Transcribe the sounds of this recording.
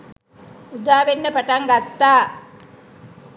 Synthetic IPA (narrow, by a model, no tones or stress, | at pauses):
ud̪aːʋenːəpaʈaŋɡat̪ːaː